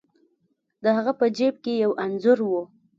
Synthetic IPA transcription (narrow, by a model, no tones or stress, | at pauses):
d̪əhaɣapəd͡ʒeb̚kejawʔanzʊɾwo